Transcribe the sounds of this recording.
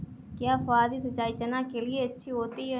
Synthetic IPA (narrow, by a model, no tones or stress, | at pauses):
kjaːfaːd̪isət͡ʃaːit͡ʃənãkelɪeɐtːʃʰiɦoːt̪iɦɛ